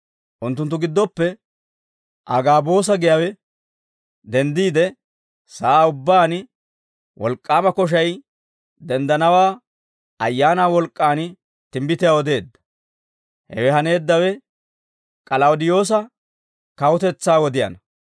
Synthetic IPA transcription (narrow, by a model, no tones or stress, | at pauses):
ʔʊnt̪ːʊnt̪̬ːʊɡɪd̪ːɔpːɛ | ʔɐ̰ɡaːbo̞ːs̬ɐɡɪjɐwɛ | d̪ɛnd̪iːd̪ɛ | saːʊbːaːn | wʔɔ̰lkʼːaːmɐkɔʃ̬ɐj | d̪ɛnd̪ɐnɐwaː | ɐjːaːnaːwɔlkʼːaːn | t̪ɪmbɪt̪ɪjawɔd̪e̞ːd̪ːɐ̥ | hɛ̰wɛɦɐne̞ːd̪ːɐwɛ | kʼɐlɐwʊd̪ɪjo̞ːs̬ɐ | kɐwʊt̪ɛt͡sːaːwɔd̪ɪjɐ̰nɐ